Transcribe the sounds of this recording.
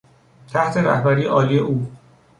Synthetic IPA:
t̪ʰæht̪ʰe̞ɾæ̰hbæɾiːeʔɒːliːje̞ʔuː

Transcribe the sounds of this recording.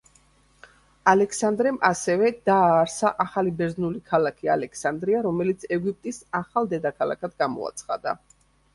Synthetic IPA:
alɛksand̪ɾɛmʔasɛvɛd̪aːɾsaʔaχalibɛɾznulikʰalakʰialɛksand̪ɾiaɾɔmɛlit̪sʰɛɡip̚t̪ʼisaχalˠd̪ɛd̪akʰalˠa̰kʰad̪ɡamɔ̰a̰t̪sʰχad̪a̰

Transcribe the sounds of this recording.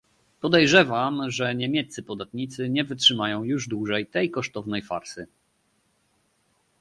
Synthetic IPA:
pɔd̪ɛjʐɛvamʐɛɲɛmʲjɛt̪sɘpɔd̪at̪ɲit̪sɘɲɛvɘtʂɘmajɔ̃w̃juʐd̪wuʐɛjt̪ɛjkɔʂt̪ɔvnɛjfa̰ɾsɘ

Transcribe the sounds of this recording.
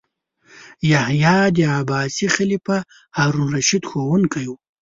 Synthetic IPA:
jahjɑːd̪əabɑːsixɪlipa | haɾunɾaʃid̪xowunkaju

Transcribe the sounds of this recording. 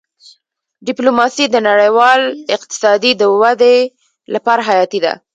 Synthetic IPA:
ɖɪplomɑsid̪ənaɽajwɑlɪq̚t̪ɪ̥sɑd̪id̪əwad̪e | lapɑɾaɦajɑt̪id̪a̰

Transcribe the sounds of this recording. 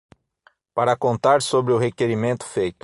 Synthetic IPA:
paɾɐkõnt̪aɾsobɾɪʊɦekeɾimẽnt̪ʊ̥fejt̪ʊ̥

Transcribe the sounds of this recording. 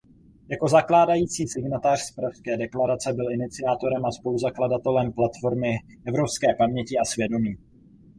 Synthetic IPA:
jako̞zaklaːdajiːt͡siːsɪɡnat̪aːr̥spɾafskɛːdɛklaɾat͡sɛbɪlɪnɪt͡sɪjaːt̪o̞ɾɛmaspo̞luzakladat̪ɛlɛmplat̪fo̞ɾmɪ | ʔɛvɾo̞pskɛːpamɲɛcɪasvjɛdo̞miː

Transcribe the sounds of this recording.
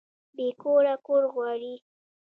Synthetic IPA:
bekoɾakoɾɣwɑɾi

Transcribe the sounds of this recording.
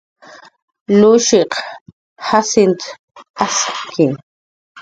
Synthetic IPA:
luʃiq | hasɪnt̪ | aski

